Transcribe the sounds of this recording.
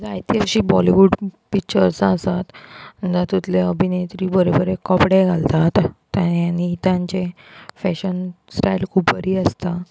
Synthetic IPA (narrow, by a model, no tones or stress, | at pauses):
d͡zajt̪iəɕiːbɔliʋuɖpik̚t͡ɕəɾsəsat̪əd͡z̪at̪ut̪leəbʱinet̪ɾiːbəɾobəɾekɔpɽeɡʱalt̪at̪ː | jajanit̪jãɲt͡ɕe | fɛɕənsʈajilkʰupːəɾiːəst̪a